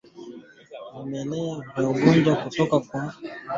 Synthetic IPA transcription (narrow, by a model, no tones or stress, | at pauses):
mumɛlɛvaoɡɔnd͡ʒakutɔkakwa